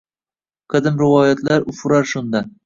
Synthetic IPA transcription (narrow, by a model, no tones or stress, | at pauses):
qʰɨd̪ɪmɾɪvɒjat̪laɾʊfʊɾaɾʃʊnd̪a